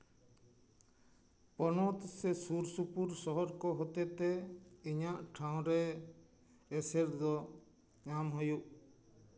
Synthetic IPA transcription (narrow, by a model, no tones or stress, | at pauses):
pɔnɔt̪sɛsuɾsupuɾsɔɦɔɾkɔɦɔt̪ɛt̪ɛiɲaʔʈʰaw̃ɾɛ | sɛɾd̪ɔ | ɲamɦɔjuʔ